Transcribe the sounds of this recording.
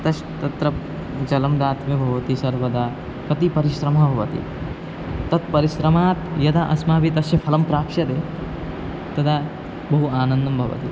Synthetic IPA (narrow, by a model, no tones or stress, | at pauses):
t̪ɐʃ | t̪ɐt̪ɾɐ | d͡ʒɐlɐmd̪aːt̪mibʱɐʋɐt̪isɐɾʋɐd̪aː | kɐt̪ipɐɾiʃɾɐmɐbʱɐʋɐt̪ḭ | t̪ɐt̪pɐɾiʃɾɐmaːt̪jɐd̪aʔɐsmaːbit̪ɐsjɐpʰɐlɐmpɾaːkʂɐd̪eː | t̪ɐd̪a | bɐɦuaːnɐnd̪ɐmbʱɐʋɐ̰t̪i